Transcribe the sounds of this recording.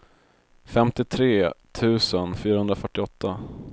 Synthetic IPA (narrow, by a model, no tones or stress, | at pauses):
fɛmt̪ɪt̪ʰɾeːt̪ʰʉ̟ːsənfyːɾahɵnd̪ɾafœʈːɪɔt̪ʰːa